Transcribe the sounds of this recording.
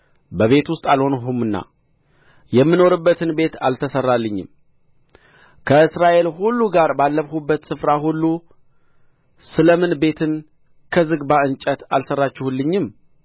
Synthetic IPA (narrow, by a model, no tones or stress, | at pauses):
bəβe̞t̪wʊst̪ʼalho̞nɦumɨnːa̰ | jɛmːɨno̞ɾɨbːət̪ʰɨnbe̞t̪alt̪ʰəsərːalːɨɲːɪ̰m | kʰəɨsɾaʔe̞lhulːuɡaɾbalːəβhubːət̪sɨfɾaɦulːu | sɨləmɨnbe̞t̪ʰɨn | kʰəzɨɡbaɨnt͡ʃʼət̪alsərːat͡ʃːɛhulːɨɲːɪm